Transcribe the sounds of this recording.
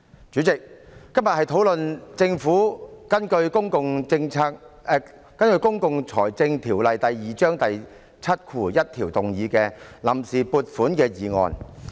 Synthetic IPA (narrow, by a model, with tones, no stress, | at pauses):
t͡ʃyː˨˥t͡sɪ˨k̚ːɐ˥mjɐ˨t̚hɐ˨jt̪ʰo˨˥wlɵ˨nt͡sɪ˧ŋfuː˨˥kɐ˥nkɵ˧ɥkʊ˥ŋkʊ˨˧ŋt͡sɪ˧ŋʰaː˧˥k̚ː | kɐ˥nkɵ˧ɥkʊ˥ŋkʊ˨ŋt͡sʰɔ̰ː˨˩jt͡sɪ˧ŋt̪ʰiː˨˩wlɐ˨jt̪ɐ˨jːiː˨˩t͡ʃœː˥ŋt̪ɐ˨j | t͡sʰɐ˥t̚kʰuː˨˩jɐ˥t̚t̪ʰiː˨˩wt̪ʊ˨˩ŋjiː˨˧kɛː˧lɐ˨˩msiː˨puː˧t̚fuː˨˥nkɛː˧jiː˨ŋɔ̰ː˨˧n